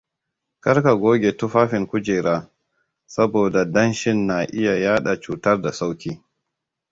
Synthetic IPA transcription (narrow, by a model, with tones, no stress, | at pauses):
kɐ˦rka˨ɡʷoː˦ɡʲe˨tʊ˦ɸaː˦ɸɪ˨ŋkʷʊ˦d͡ʒeː˨ɾaː˦ | sɐ˦boː˨da˨dɐ˦nʃɪ˦nːa˨ʔɪ˦ja˨jaː˦ɗa˨t͡ʃuː˨tɐ˦rda˨sa˦wkʲiː˦